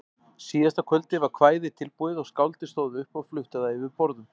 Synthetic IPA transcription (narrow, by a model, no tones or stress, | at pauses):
siːðast̪akʰœlt̪ɪvaɾkʰvaːjðɪt̪ʰɪlpuːɪðɔɣskawlt̪ɪst̪oːwðʏhpɔɣflʏht̪aðaɪvɪɾpɔɾðʏm